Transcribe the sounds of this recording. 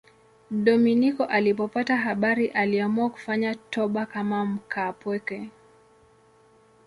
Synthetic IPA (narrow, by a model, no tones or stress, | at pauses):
ɗɔminikɔʔalipɔpataɦaɓaɾiʔaliamuaku̥faɲatɔɓakamam̩kʰapwɛkɛ